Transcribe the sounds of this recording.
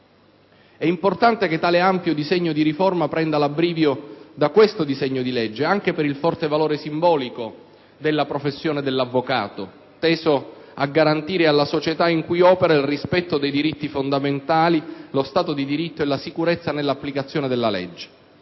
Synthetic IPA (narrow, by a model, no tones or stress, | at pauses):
ɛimport̪ant̪eket̪ːaːleampjod̪izɛɲːod̪iɾiformapɾɛnd̪alabɾiːvjod̪akwest̪od̪izɛɲːod̪ilɛd͡ʒːeaŋk̟epeɾilfɔrt̪evaloːɾesimbɔːliko | d̪elːapɾofesːjoːned̪elːavːoka̰ːt̪o | t̪ɛːzo | aɡːaɾant̪iːɾealːasot͡ʃet̪aiŋkujɔːpeɾailrispɛt̪ːod̪ejd̪iɾit̪ːifond̪ament̪aːlilost̪aːt̪od̪id̪iɾit̪ːoelːasikuɾet̪sːanelːapːlikat̪sːjoːned̪elːalɛ̰d͡ʒːe̥